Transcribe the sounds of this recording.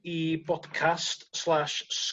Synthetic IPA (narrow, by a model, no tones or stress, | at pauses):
ibɔd̥kʰastslˠaʃs